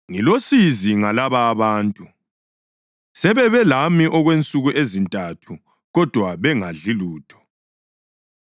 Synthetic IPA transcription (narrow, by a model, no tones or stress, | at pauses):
ŋilosiziŋalaβaːβaːntʼu | sɛβɛβɛlamiʔɔɣwent͡sʼuɣuʔezintʼatʰu | ɣɔd̥ʱwaβɛŋaɮiluːtʰɔ̥